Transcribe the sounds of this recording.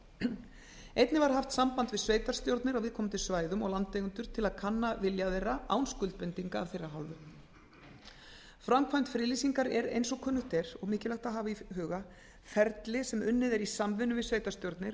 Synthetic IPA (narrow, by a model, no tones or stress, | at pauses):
ejt̪nɪvaɾ̥ɦaft̪sampant̪vɪðsveːjt̪ast̪jowɾt̪nɪɾawvɪðkʰɔːmnt̪ʰɪsvaːjðʏmɔɣlant̪ejɣʏnt̪ʏɾ̥t̪ʰɪlaðkʰanːavɪljaðɛraa̰wnskʏlt̪̚pɪnt̪iŋkaːvθejrːaɦa̰lvʏ | fɾamkʰvajnt̪fɾɪːlisiŋkaɾɛɾḛjnsɔkʰœːnːʏht̪ɛɾ̥ɔɣmɪːcɪlaht̪aɦaːvaiɦʏːɣa | fɛɾt̪lɪsɛmʏnːɪðɛɾisamvɪnːʏvɪsveːjt̪ḁst̪jowɾt̪nɪɾ̥